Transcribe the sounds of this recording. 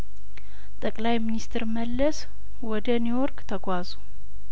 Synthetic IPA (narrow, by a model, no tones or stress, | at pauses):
t̪ʼəkʼlajminist̪ʰɨɾməlːəs | wɔd̪əniwɔɾkʼt̪ʰəɡʷazu